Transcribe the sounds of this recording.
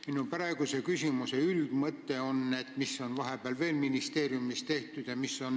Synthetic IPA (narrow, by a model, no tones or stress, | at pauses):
minupæɾe̞ɡ̥use̞kysʲimuse̞yld̪̥mɤt̪ːe̞o̞nːe̞t̪misːo̞nvɑɦe̞b̥eɑlve̞ːlminist̪e̞ːɾjumist̪e̞ht̪ud̪̥jɑmiso̞n